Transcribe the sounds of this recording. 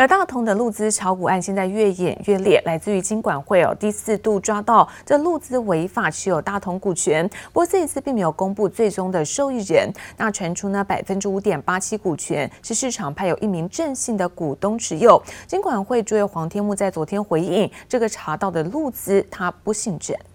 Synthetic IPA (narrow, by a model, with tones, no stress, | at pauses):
ə˞˧˥t̪a˥˩t̪ʰʊ˧˥ŋd̪ə˧lu˥˩t͡sɹ̩˥ʈ͡ʂʰɑ˧˥ʊku˨˩a˥˧nɕjɛ˥˧nt͡sa˥˧ɪɥɛ˥˩jɛ̰˨˩nɥɛ˥˧ljɛ˥˩lʔa˧˥ɪt͡sɹ̩˥˩y˧˥t͡ɕi˥nkwa˨˩nxwe˥˩ɪɑ̰˨˩t̪i˥˧sɹ̩˥˧t̪u˥˩ʈ͡ʂwa˥t̪ɑ˥˩ʊʈ͡ʂɤ˥˧lu˥˩t͡sɹ̩˥we˧˥ɪfa˨˩ʈ͡ʂʰɻ̩˧˥jo˨˩ʊt̪a˥˩t̪ʰʊ˧˥ŋku˨˩t͡ɕʰɥɛ˧˥npu˥˧t͡sə˥˩i˧˥t͡sʰɹ̩˥˧pi˥˩ŋme˧˥jo˨˩kʊ˥ŋpu˥˧t͡swe˥˩ɪʈ͡ʂʊ˥ŋd̪ə˨ʂo˥˧ʊi˥˩ɻə˧˥nna˥˩ʈ͡ʂʰwa˧˥nʈ͡ʂʰu˥nə˨pa˨˩ɪfə˥nʈ͡ʂɻ̩˥u˧˥t̪jɛ˨˩npa˥t͡ɕʰi˥ku˨˩t͡ɕʰɥɛ̰˧˥nʂɻ̩˥˧ʂɻ̩˥˩ʈ͡ʂʰɑ˨˩ŋpʰa˥ɪjo˨˩ʊʔi˥˩mi˧˥ŋʈ͡ʂə˥˧ŋɕi˥˩ŋd̪ə˩ku˨˩t̪ʊ˥ŋʈ͡ʂʰɻ̩˧˥jo˥˩ʊt͡ɕi˥ŋkwa˨˩nxwe˥˩ɪʈ͡ʂu˥jo˧˩xwɑ˧˥ŋt̪ʰjɛ˥nmu˥˧t͡sa˥˩ɪt͡swɔ˧˥t̪ʰjɛ˥nxwe˧˥ɪi˥˩ŋʈ͡ʂɤ˥˩ɡə˩ʈ͡ʂʰa˧˥t̪ɑ˥˩ʊd̪ə˩lu˥˩t͡sɹ̩˥t̪ʰa˥pu˥˧ɕi˥˩ŋʈ͡ʂə˥˨˩n